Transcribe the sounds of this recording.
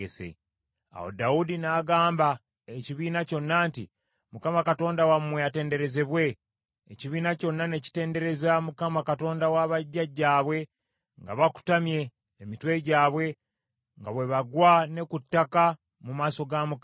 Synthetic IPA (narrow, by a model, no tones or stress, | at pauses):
esḛ | a̰ho̰daudinaːɡaːmba | eciβiːnaco̞nːaːnti | mukamakato̞ːndawamweate̞ːnde̞ɾe̞ze̞βwe̞ː | ciβiːnaco̞nːane̞ci̥te̞ːnde̞ɾe̞zamukamakato̞ːndawaβaɟːaɟːaːβwe̞ | ŋɡaβaku̥tamje̞ː | mitwe̞ɟaːβwe̞ | ŋɡaβwe̞βaɡwane̞kutːaka | mumaːso̞ɡamuk